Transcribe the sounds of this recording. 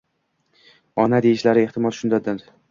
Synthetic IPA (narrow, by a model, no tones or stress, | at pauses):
ɒnad̪ejɪʃlaɾɪeht̪ʰɪmɒlˠʃʊnd̪ad̪ɪɾ